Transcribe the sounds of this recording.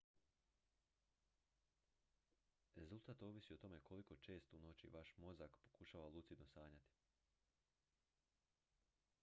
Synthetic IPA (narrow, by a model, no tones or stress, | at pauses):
ɾe̞zult̪aːt̪o̞ːʋisio̞t̪o̞me̞kʰo̞liko̞t͡ʃe̞ːst̪uno̞t͡ɕḭʋaʃmo̞zakpo̞̥kuʃaːʋalˠut̪sid̪nosaːɲat̪i̥